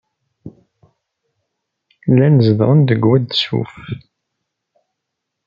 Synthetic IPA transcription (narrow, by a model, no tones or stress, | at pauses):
lænəzəðʁənd̪əɡwæd̪sṵf